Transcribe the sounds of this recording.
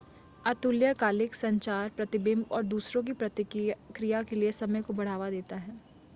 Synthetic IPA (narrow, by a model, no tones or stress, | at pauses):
at̪uljəkaːlɪksɐ̃ɲt͡ʃaːɾpɾɐt̪ɪbɪ̃mbɔːɾd̪uːsɾõk̬ipɾɐt̪ɪkɾijakeliesɐməjkobɐɽ̤aːʋad̪eːt̪aɦɛː